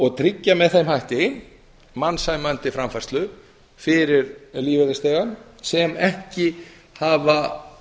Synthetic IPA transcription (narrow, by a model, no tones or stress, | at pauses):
ɔɣt̪ʰɾɪcːamɛðθejmhajht̪ɪn | mansajmœnt̪ɪfɾamfɛrst̪lʏ | fɪɾɪɾliːvɛðɪst̪ejɣansɛmɛhcɪ | haːva